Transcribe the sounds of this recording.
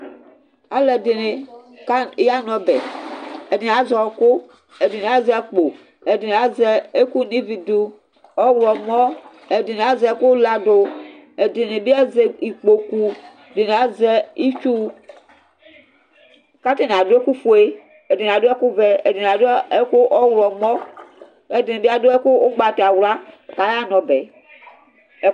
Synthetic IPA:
a˨le˨de˨ne˨ka˦˨˦a˦nɔ˨bɛ˨e˨de˨n˨a˦zɔ˨kʊ˦ | e˨de˨ne˨˦a˦zɛ˦k͡po˨ | e˨de˨ne˨a˨zɛ˦e˦ku˦nĩ˦vi˨du˦ | ɔ˦wɔ˨mɔ˦ | e˨de˨ne˨a˨˦zɛ˦kʊ˦la˨do˨ | e˨de˨ne˨bi˦a˦ze˨i˨k͡po˨ku˦˨ | de˨ne˨a˦zɛ˦i˦t͡ʃu˦ | ka˦te˦n˨a˨do˦e˦ku˦fo˨e˦ | e˨di˨n˨a˨do˦e˦ku˦vɛ˨e˨di˨n˨a˨do˦e˦ku˦ʔɔ˦wɾɔ˨mɔ˦ | e˨de˨ne˨bi˦a˦do˦ɛ˦ku˦o˦ɡ͡ba˨te˨a˨wɾa˦˨ka˨ja˦nɔ̃˨bɛ˨

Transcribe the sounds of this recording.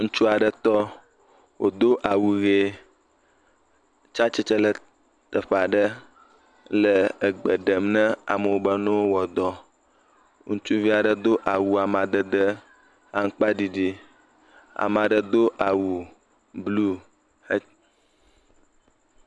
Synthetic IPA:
ŋũ˦t͡ʃu˦a˨ɖə˦t̪ɔ˦ | wʔo̰˨d̪o˦ʔa˨wu˨ɣe˦ | t͡ʃa˦t͡ʃi˦t͡ʃə˦lə˨ | t̪ə˨ɸa˨ɖə˦ | lə˨ə˨ɡ͡bə˨ɖə˨mnə̃˦a̰˨mə˨wo˨bə˦nõ˦wɔ˨d̪ɔ˦ | ŋũ˦t͡ʃu˦vi˦a˨ɖə˦d̪o˦ʔa˨wu˨a˨mã˨d̪ə˦d̪ə˦ | a˨ŋ̩˦k͡pa˦ɖi˨ɖi˦ | a̰˨mã˨ɖə˦d̪o˦ʔa˨wu˨ | blu˦ | ə˦

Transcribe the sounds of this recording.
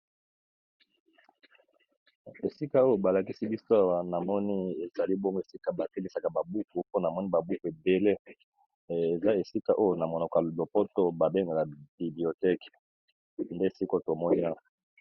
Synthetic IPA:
e˨si˦ka˦o˦jo˨ba˨la˨ki˦si˦bi˦sa˦˨wa˨na˨mɔ˦ni˦e˨z̥a˨li˦bo˦ŋɡo˦e˨si˦ka˦ba˨ke˦li˦sa˨ka˨ba˨bu˦ku˨po˦na˨mɔ˦ni˦ba˨bu˦ku˨e˨be˨le˦ | e˨za˦e˨si˦ka˦ʔo˦jo˨na˨mo˨nɔ˨ka˨lo˨po˦to˦ba˨be˦ŋɡa˨la˨bi˨bli˨o˨tɛ˦k | nde˦˨si˦ko˦to˨mɔ˦ni˦a˦

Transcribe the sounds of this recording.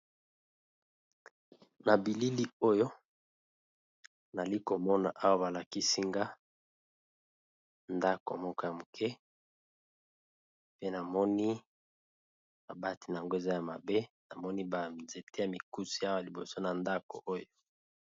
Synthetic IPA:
na˨bi˨li˦li˦o˦jo˦ | na˨li˦ko˨mɔ˦na̰˨ʔa˦wa˦ba˨la˨ki˦si˦ŋɡa˦ | nda˦ko̰˨mɔ˦kɔ˦ja˨mo˨kʰɛ˦ | pe˦na˨mɔ˦ni˦ | ma˨ba˦ti˨na˨a˨ŋɡo˦e˨za˦ja˨ma˨be˦na˨mɔ˦ni˦ba˨nze˨te˦ja˨mi˨ku˦si˦a˦wa˨li˨bo˨so˦na˨nda˦ko̰˨ʔo˦jo˦

